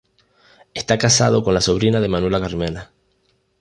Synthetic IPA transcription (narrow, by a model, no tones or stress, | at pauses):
est̪akasað̞o̞ko̞nlaso̞β̞ɾinaðe̞mãnwelakaɾmena